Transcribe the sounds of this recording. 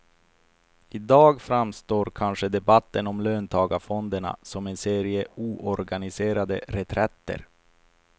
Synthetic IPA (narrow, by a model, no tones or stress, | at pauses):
ɪd̪ɑːɡfɾamst̪oːɾkʰanʂəd̪ɛbat̪ːənɔmløːnt̪ʰɑːɡafɔnd̪əɳa̰sɔmɛnseːɾɪəuːʔɔɾɡanɪseːɾad̪əɾɛt̪ʰɾɛt̪ːə̰ɾ